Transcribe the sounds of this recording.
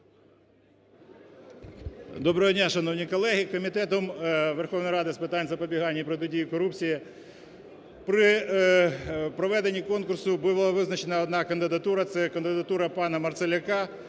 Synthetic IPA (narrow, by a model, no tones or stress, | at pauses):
d̪ɔbɾɔɦɔdʲnʲaʃɐnɔwnʲikɔlˠɛɦʲikɔmʲit̪ɛt̪ɔmʋerxɔwnɔjɾɑd̪ɪspɪt̪ɑnʲzɐpɔbʲiɦɑnʲːɐpɾɔt̪ʊdʲijikɔɾupt͡sʲiji | pɾɪ | pɾɔʋɛd̪e̞nʲːikɔnkʊrsʊbʊʋlˠɐʋɪznɐt͡ʃenɐɔd̪nɑkɐnd̪ɪd̪ɐt̪uɾɐt̪sɛkɐnd̪ɪd̪ɐt̪uɾɐpɑnɐmɐrt̪selʲɐkɑ